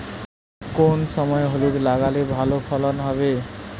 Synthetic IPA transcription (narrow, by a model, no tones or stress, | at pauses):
konsʌmʌjɦoleɾlaɡalebʱalopʰʌlʌnɦʌβe